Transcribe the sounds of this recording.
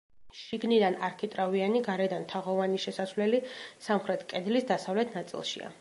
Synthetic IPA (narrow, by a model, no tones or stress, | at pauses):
ʃiɡnid̪anaɾkʰit̪ʼɾavianiɡaɾɛd̪ant̪ʰaʁɔvaniʃɛsasvlɛlisamχɾɛt̪ʰkʼɛd̪lisd̪asavlɛt̪ʰnat̪sʼḭlˠʃḭa̰